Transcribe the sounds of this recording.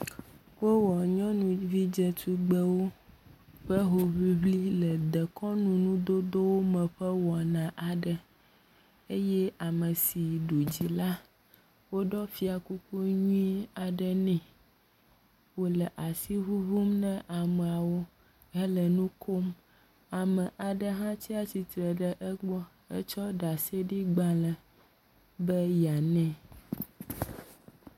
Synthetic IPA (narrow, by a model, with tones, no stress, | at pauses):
wo˦wɔ˨ɲɔ̃˦nũ˨vi˦d͡ʒɛ˦t̪u˦ɡ͡bə˦wo˦ | ɸə˦ɦo˨βi˦βli˦lə˨d̪ɛ˨kɔ˦nũ˨nũ˦d̪o˦d̪o˦wo˦mɛ̃˨ɸə˦wɔ˨nã˨ʔa˨ɖə˨ | e˦jɛ˦a˨mə˨si˨ɖo˨d͡ʑi˨la˦ | wo˦ɖɔ˦fi˦a˨ku˦ku˦ɲũ˦ĩ˦a˨ɖə˦nɛ̃˨ | wo˦lɛ˨ʔa˨si˦ɦu˦vu˦mnɛ̃˦ʔa˨mɛ̃˨a˨wo˦ | ɛ˦lə˨nũ˦kʰo˦m | a˨mɛ̃˨ʔa˨ɖə˦ɦã˦t͡ɕi˦a˦t͡ɕi˨t̪ɾɛ˨ɖɛ˦ʔɛ˦ɡ͡bɔ˦ | ɛ̰˦t͡ʃɔ˦ɖa˨se˦ɖi˦ɡ͡bã˦lə˨ | bɛ˦ja˨nɛ̃˦˨